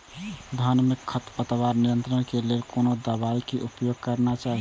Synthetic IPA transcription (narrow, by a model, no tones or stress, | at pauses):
d̪ʱanmikʰːət̪pət̪baɾniɾənt̪ɾənkelelkonod̪əβaikeʔupjoɡ̚kəɾnat͡ʃaɦi